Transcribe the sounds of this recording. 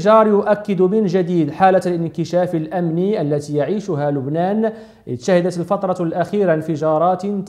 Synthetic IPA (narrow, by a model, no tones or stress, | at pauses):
ʒɑːɾˤjʊʔækːɪd̪mɪnʒad̪iːd̪ħaːlalɪnkɪʃæːflʔæmniʔəlːæt̪ijaʕiːʃʊɦalʊbnæːn | ʔɪ̰d̪ʃahɪd̪at̪əlfɑt̪ˤɾˤɑlʔæxiːɾnfɪʒɑːɾˤɑːt̪t̪